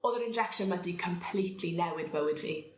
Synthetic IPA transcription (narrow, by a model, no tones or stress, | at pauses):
ɔðəɾɪnd͡ʒɛkʃənmadikʰəmpʰlˠiːtʰlinɛwɪdbəwɪdvḭː